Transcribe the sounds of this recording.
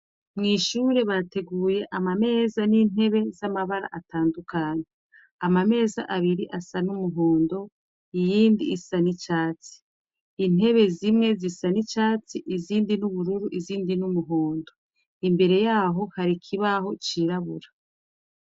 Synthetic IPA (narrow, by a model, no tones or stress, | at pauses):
mŋiːʃuːɾe̞βate̞ɡuːje̞ʔamame̞ːzanin̥ɦe̞βe̞zamaβaɾa̰ʔatʰaːndukʰaːɲe | amame̞ːza̰ʔaβiɾiʔasanumuɦo̞ːndo̞ | ijiːndiːsanit͡ʃaːt͡si̥ː | n̥ɦe̞βe̞zimŋe̞zisanit͡ʃaːt͡siʔiziːndinuβuɾuɾuʔiziːndinumuɦo̞ːndo̞ | imbe̞ɾe̞jaːɦo̞haɾikʰiβaɦo̞t͡ʃiɾaβṵɾa